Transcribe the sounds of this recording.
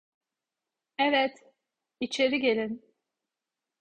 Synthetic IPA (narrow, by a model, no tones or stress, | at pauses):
ɛvɛt̪ | it͡ʃʰe̞ɾiɟe̞lʲin